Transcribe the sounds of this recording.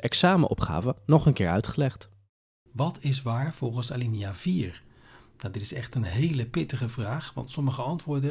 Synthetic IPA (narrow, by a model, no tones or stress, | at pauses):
ʔɛksaːməʔɔpχa̰ːvənɔχənkɪːɹœɥtχəlɛχt | ʋɑtɪs̬ʋaːɹv̥ɔlˠχənsa̰linijaːviːɹ | nawdɪtɪsɛχtənɦejləpɪtəχəvraːχʋɑ̰ntsɔməχəɑntʋʊːɹdə